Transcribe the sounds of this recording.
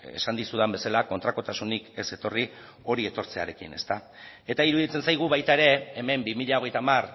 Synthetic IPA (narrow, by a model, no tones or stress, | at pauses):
e̞̰sand̪isuðambe̞salako̞nt̪ɾako̞t̪asunike̞se̞t̪o̞ri | o̞ɾie̞t̪o̞ɾt͡se̞a̰ɾe̞kḭne̞̰st̪a | e̞t̪aiɾuðit͡se̞nsajɣ̞uβajt̪aeɾe̞eme̞mbimiʎao̞ɣ̞e̞jt̪amar